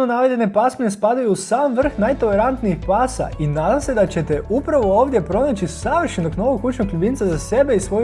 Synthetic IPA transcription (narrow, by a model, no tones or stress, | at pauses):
nonaʋed̪ʲene̞pasminespad̪ajuːsaːmʋr̩xnajt̪o̞lˠe̞ɾant̪niixpaːsa̰ʔinaːd̪amse̞d̪at͡ɕe̞t̪eupɾaʋo̞oːʋd̪je̞pɾo̞nat͡ɕisaʋr̩ʃenokno̞ʋokut͡ʃnokʎubint̪sazase̞be̞isʋo̞